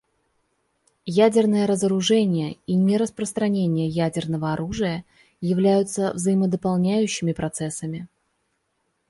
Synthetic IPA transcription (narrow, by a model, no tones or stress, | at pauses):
jædʲɪrnəjəɾəzəɾʊʐɛnʲɪjəinʲɪɾəspɾəst̪ɾɐnʲenʲɪjəjædʲɪrnəvəɐɾuʐɨjə | jɪvlʲæjʊt̪səvzəjɪməd̪əpɐlˠnʲæjʉɕːɪmʲɪpɾɐt̪sɛsːəmʲɪ